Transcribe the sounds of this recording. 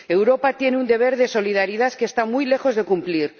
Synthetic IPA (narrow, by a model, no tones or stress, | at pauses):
e̞wɾo̞pat̪je̞neund̪e̞β̞e̞ɾðeso̞lið̞aɾiðaθkest̪amujle̞xo̞zðe̞kumpliɾ